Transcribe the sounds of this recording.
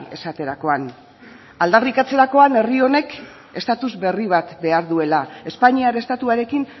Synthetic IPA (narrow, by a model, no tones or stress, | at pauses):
e̞̰sat̪e̞ɾako̞an | ald̪arikat͡se̞ɾako̞ane̞rio̞ne̞k | e̞st̪at̪uzβe̞riβ̞at̪be̞aɾðue̞lae̞spaɲiaɾest̪at̪uaɾe̞kin